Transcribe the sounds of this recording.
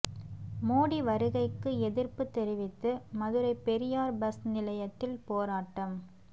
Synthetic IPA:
moːɽiʋɐɾɯɣɐɪkːɯɛðɪɾpɯt̪ːɛɾɪʋɪt̪ːɯmɐðɯɾɐɪpːɛɾɪjaːɾbɐsnɪlɐjɐt̪ːɪlpoːɾaːʈːɐm

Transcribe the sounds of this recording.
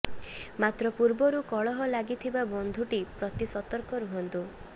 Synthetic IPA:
mat̪ɾɔpuɾbɔɾukɔɭɔɦɔlaɡit̪ʰibabɔnd̪ʱuʈipɾɔt̪isɔt̪ɔɾkɔɾuɦɔnt̪u

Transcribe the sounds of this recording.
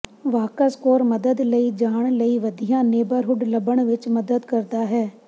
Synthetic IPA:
ʋaːkəskoːɾməd̪əd̪ləiːd͡ʒaːɳləiːʋəd̪ijãːneːbəɾɦʊɖləbəɳʋɪt͡ʃməd̪əd̪kəɾd̪aːɦɛː

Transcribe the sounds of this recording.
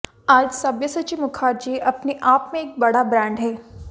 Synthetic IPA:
aːd͡ʒsɐbjəsət͡ʃiʋmʊkʰaːɾd͡ʒiʔɐpneʔaːpmẽeːk̚bɐɽabɾɛ̃ːɳɖɦɛː

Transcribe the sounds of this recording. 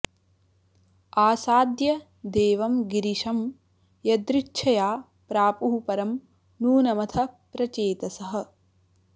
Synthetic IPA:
aːsaːd̪jɐ | d̪eːʋɐmɡiɾiʂɐm | jɐd̪ɾit͡ʃʃʰɐjaː | pɾaːpuɦupɐɾɐm | nuːnɐmɐt̪ʰɐpɾɐt͡ʃeːt̪ɐsɐɦɐ̆

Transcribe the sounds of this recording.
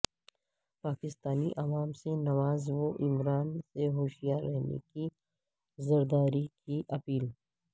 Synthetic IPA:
paːkɪst̪aːniʔɐʋaːmsenɐʋaːzʋoʔɪmɾaːnseɦoːʃijaɾɛɦnḛki | zɐɾd̪aːɾikiʔɐpiːl

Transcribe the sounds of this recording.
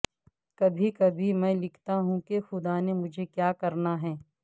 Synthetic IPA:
kɐbʱikɐbʱimɛ̃ːlɪkʰt̪aɦũkexʊd̪aːnemʊd͡ʒʱekjaːkɐɾnaɦɛː

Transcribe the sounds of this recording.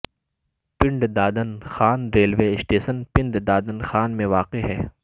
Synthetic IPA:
pɪ̃ɳɖd̪aːd̪ənxaːnɾeːlʋeːɪsʈeːsənpɪ̃ɳɖd̪aːd̪ənxaːnmẽʋaːqeɦɛː

